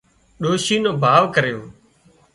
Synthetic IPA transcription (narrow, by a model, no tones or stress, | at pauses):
ɗoːʃiːnõːbʱaːʋkəɾjoː